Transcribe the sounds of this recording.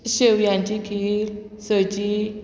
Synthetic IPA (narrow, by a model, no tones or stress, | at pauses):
ɕəwjãɲt͡ɕikʰil | sət͡ɕi